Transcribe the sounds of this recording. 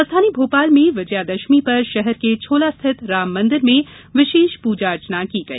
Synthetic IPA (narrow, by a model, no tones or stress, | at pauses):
ɐst̪ʰaːnibʱoːpaːlmẽʋɪd͡ʒjad̪ɐʃmipɐɾʃɛɦɛɾket͡ʃʰoːlast̪ʰɪt̪ɾaːmːɐ̃nd̪ɪɾmẽ | ʋɪʃeːʃpuːd͡ʒaɾt͡ʃənakiɡɐḭː